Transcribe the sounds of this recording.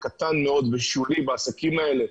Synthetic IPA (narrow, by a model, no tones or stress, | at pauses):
kat̪anmeo̞d̪veʃulibaːsakimaele̞